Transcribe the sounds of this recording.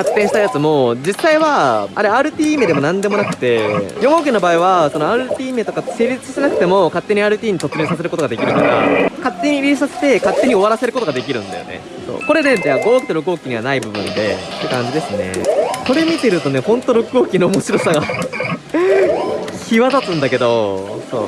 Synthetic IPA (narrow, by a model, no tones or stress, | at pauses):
kat̪ːẽɕi̥t̪ajat͡sɨmo̞d͡ʑisːaiβaaɾeaːɾɯ̟t̪ʲiːmed̪e̞mo̞nãnd̪e̞mo̞nakɯ̟̥t̪e̞jo̞ɡoːk̬ʲino̞baːiβaso̞no̞aːɾɯ̟t̪ʲiːmet̪okase̞ːɾʲit͡sɨ̥ɕit̪enakɯ̟̥t̪e̞mo̞kat̪ːe̞ɲ̟iaːɾɯ̟t̪ʲiːɲ̟it̪o̞t͡sɨmẽ̞ːsas̬e̞ɾɯ̟ko̞t̪o̞ɡad̪e̞kʲiɾɯ̟kaɾa̰kat̪ːe̞ɲ̟iɾʲiːs̬ase̥t̪e̞kat̪ːe̞ɲ̟io̞βaɾase̞ɾɯ̟kot̪oɡad̪e̞kʲiɾɯ̟̰̃nd̪a̰jo̞̰nḛ | so̰ːko̞ɾe̞d̪ed̪aɡo̞ːkʲi̥t̪oɾok̬ɯ̟oːkʲiɲ̟iβanaibɯ̟bɯ̟̃nd̪e̞t̪ːe̞kãɲ̟d͡ʑid̪e̞sɨne̞̰ko̞ɾe̞mʲit̪e̞ɾɯ̟t̪o̞ne̞hõ̞nt̪oɾokɯo̞ːkʲinoːmo̞ɕiɾo̞saɡa | çiβad̪at̪ãnd̪ake̞d̪o̞so̞̰ː